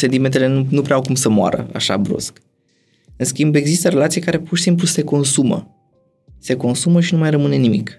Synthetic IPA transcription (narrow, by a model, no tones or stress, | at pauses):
sent̪iment̪e̞le̞nunupɾeawkumsəmoa̰ɾə̰a̰ʃa̰bɾṵsk | ɨnskʲimbe̞ɡzist̪əre̞lat̪sijekaɾe̞purʃisimp̬luse̞ko̞nsumə̰ | se̞ko̞nsuməʃinumajrəmɨne̞nimik